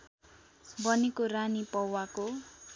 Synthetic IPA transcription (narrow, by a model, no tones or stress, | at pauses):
bʌnikoranipʌwako